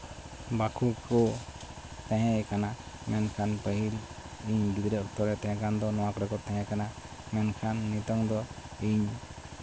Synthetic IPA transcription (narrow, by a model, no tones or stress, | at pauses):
bakʰukɔ | t̪ɛ̃ɦɛ̃kana | mɛnkʰanpəɦil | iɲbid̪ɾɛɔk̚t̪ɔɾɛt̪ɛ̃ɦɛ̃kand̪ɔnɔwakɔɾɛkɔt̪ɛ̃ɦɛ̃kana | mɛnkʰanːit̪ɔŋd̪ɔiɲ